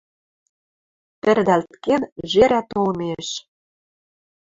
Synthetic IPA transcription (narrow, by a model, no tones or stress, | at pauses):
pɘ̆rd̪ælt̪kenʒeɾæt̪olmeʃ